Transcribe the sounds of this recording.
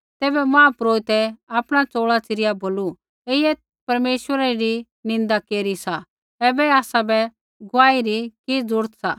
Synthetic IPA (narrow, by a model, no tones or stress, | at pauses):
t̪ɛːbɛmãːpɾoːɪt̪ɛaːpɽ̃at͡soːɭat͡sɪɾɪjaboːlu | eɪɛ | pɐɾmeːʃwəɾaɾi | nɪ̃nd̪akeːɾisa | ɛːbɛaːsabɛ | ɡʊʋaːiɾikid͡zʊɽt̪sa̰